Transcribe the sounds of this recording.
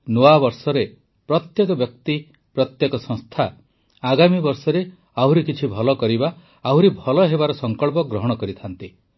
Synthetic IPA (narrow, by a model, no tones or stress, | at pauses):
noabɔɾsɔɾe | pɾɔt̪jekɔbjɔkt̪i | pɾɔt̪jekɔsɔ̃ŋst̪ʰa | aɡamibɔɾsɔɾe | awɾikit͡ʃʰibʱɔlɔkɔɾibaː | ɦuɾibʱɔlɔɦebaɾɔsɔŋkɔɭp̬ɔɡɾɔɦɔɽ̃ɔkɔɾit̪ʰant̪i